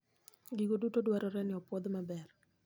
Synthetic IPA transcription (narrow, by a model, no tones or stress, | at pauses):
ɡiɡodutodwaɾɔɾɛnɪɔpwɔd̪mabɛr